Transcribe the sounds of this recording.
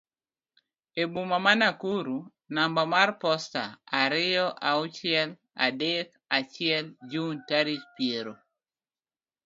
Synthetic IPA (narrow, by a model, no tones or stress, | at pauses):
ebumamanakuɾu | nambamarpɔstaaɾɪjɔʔaʊt͡ʃɪɛl | a̰dɛk | at͡ʃɪɛld͡ʒuntaɾit͡ʃpjeɾo